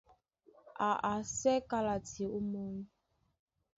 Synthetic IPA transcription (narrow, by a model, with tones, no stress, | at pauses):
a˨ʔa˨sɛ˦ka˦la˨ti˨e˨u˦mɔ˦